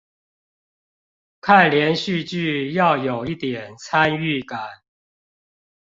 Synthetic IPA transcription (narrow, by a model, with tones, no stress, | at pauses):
kʰa˥˨nljɛ˨˦nɕy˥˨t͡ɕy˥˨jɑ˥˨ʊjo˨˩ʊi˥˩t̪jɛ˨˩nt͡sʰa˦ny˥˨ka˨˩˦n